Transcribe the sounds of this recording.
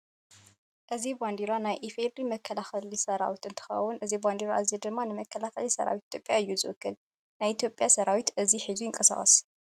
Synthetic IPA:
ʔɨziband̪iɾanajʔifed̪ɾimɐkʰːɐlaxɐlisɐɾa̰wit̪ɨnt̪ʰɨ̥xɐ̰wʊnʔɨziband̪iɾaʔɨzid̪ɨmːanɨmɐkʰːɐlaxɐlisɐ̰ɾa̰wit̪̚i̥t̪ʰjopʼjaɨjːuzɨwɨkʰːɨl | najit̪ʰjo̞pʼːjasɐɾawit̪ʔɨziħizujɪŋkʼɐsa̰χʼɐ̰s

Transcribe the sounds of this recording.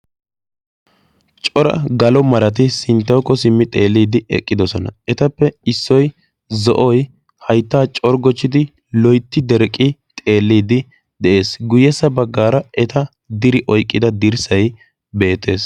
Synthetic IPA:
t͡ʃʼɔɾɐ̰ɡɐlɔmɐɾɐt̪̬ɪsɪnt̪ːɐwkːɔsɪmːɪt̪ʼe̞ːlːiːd̪ɪɛ̰kʼːɪd̪ɔsɔnɐ̰ɛt̪ɐpːɛɪsːɔj | zɔʔɔj | hɐjt̪ːaːt͡ʃʼɔɾɡɔt͡ʃːɪd̪ɪ | lɔjt̪ːɪd̪ɛɾkʼːɪt̪ʼe̞ːlːiːd̪ɪ | d̪ɛʔe̞ːsɡʊjɛsːɐbɐɡːaːɾɐɛt̪ɐ | d̪ɪɾɪʔɔjkʼːɪd̪ɐd̪ɪɾsɐj | be̞ːt̪ːe̞ːs

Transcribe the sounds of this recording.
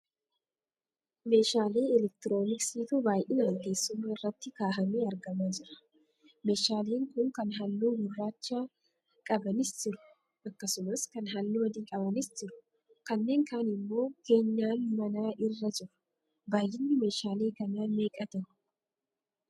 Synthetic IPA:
me̞ːʃaːle̞ːɛlɛk̚t̪ɪɾo̞ːnɪksiːt̪ubaːjʔɪnaːŋke̞ːsːʊmːaːɪrːɐt̪ːɪkaːɦɐmeːɐɾɡɐmaːd͡ʒɪɾɐ̥ | me̞ːʃaːleːŋkʊŋkɐnɦɐlːuːɡʊrːaːt͡ʃːaː | kʼɐbɐnɪsd͡ʒɪɾʊ̥ | ʔɐkːɐsʊmɐskɐnɦɐlːuːwɐd̪iːkʼɐbɐnɪsd͡ʒɪɾʊ̥ | kɐnːe̞ːŋkaːnɪmːo̞ːke̞ːɲːaːnmɐnaːʔɪrːɐd͡ʒɪɾʊ̥ | baːjʔɪnːɪme̞ːʃaːle̞ːkɐnaːnme̞ːkʼɐt̪ɐnʊ̥

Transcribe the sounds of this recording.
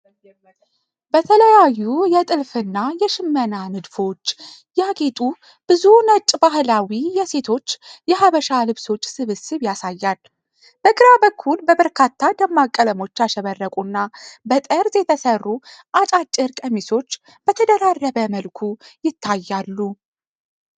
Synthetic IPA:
bət̪ʰələjajːujɛt̪ʼɨlfɨnːajɛʃɪmːənanɨd̪fo̞t͡ʃː | jaɡe̞t̪ʼu | b̥ɨzunət͡ʃʼbaɦlawijɛse̞t̪ʰo̞t͡ʃːjɛɦaβəʃalɨβso̞t͡ʃːsɨβɨsɨβjasajːal | b̥əɡɨɾabəkʰːulbəbəɾkʰat̪ʰːad̪əmːakʼːələmo̞t͡ʃːaʃɛβərːəkʼunːabət̪ʼəɾzjɛt̪ʰəsərːuʔat͡ʃʼat͡ʃʼːɨɾkʼəmiso̞t͡ʃː | b̥ət̪ʰəd̪əɾarːəβəməlkʰujɪt̪ʰːajːalːu

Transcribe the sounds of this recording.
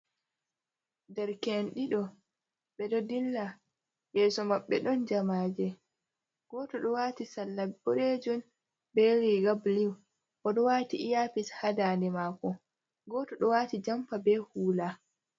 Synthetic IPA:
dɛɾkenɗiɗɔ | ɓɛɗɔdilːa | jɛːsɔmaɓːɛɗɔnd͡ʒamaːd͡ʒɛ | ɡ̥ɔːtɔɗɔwaːtisalːabɔɾed͡ʒɔn | bɛɾiɡabliw | ʔɔɗɔwaːtiːjapishadaːndɛmaːkɔ | ɡɔːtɔɗɔwaːtid͡ʒampabɛhuːla

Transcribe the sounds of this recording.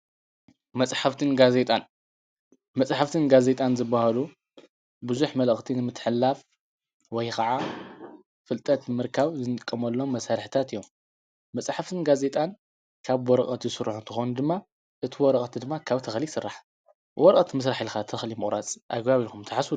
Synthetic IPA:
mɐt͡sʼħaft̪ʰɨnɡaze̞t̪ʼan | mɐt͡sʼħaft̪ʰɨnɡaze̞t̪ʼanzɨbːahalu | bɨzuħmɐləxt̪ʰinɨmɨt̪ʰːħɨlːaf | wɔjkaʕa | fɨlt̪ʼɐt̪mɨɾkʰaβzɨnʼɨkʼːɐmɐlːo̞mːɐsaɾħt̪ʰat̪ɨjːomː | ɐt͡sʼħaft̪ʰɨnɡaze̞t̪ʼan | kʰaβwɔɾɐkʼɐt̪zɨsɨɾħunt̪ʰɨxonud̪ɨmːa | ʔɨt̪ʰiwɔɾɐχʼt̪ʰid̪ɨmːakʰaβt̪ʰɐxlisɨrːaħ | wɔɾkʼɐt̪mɨs̬ɾaħilxat̪ʰɐxlimɨχʼɾat͡sʼʔa̰ɡbaβilkʰumt̪ʰɨħasu

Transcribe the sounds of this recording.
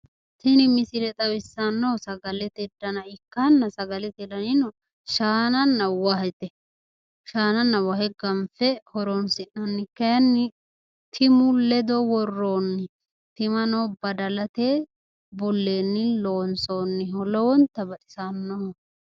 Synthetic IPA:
t̪ɪnɪmɪsɪɾɛt̪ʼɐwɪsːɐnːoːsɐɡɐlɛt̪ɛd̪ɐnɐɪkːanːɐsɐɡɐlɛt̪ɛlɐnɪnɔ | ʃaːnɐnːɐwɐhɛt̪ɛ | ʃaːnɐnːɐwɐhɛɡɐmfɛhɔɾonsɪnːɐnːɪkːɐjɐnːɪ | t̪ʰɪmʊlɛd̪ɔwɔrːoːnːɪ | t̪ɪmɐnɔbɐd̪ɐlɐt̪eː | bɔlːeːnːɪloːnsoːnːɪhɔlɔwɔnt̪ːɐbɐtʼɪ̥sanːo

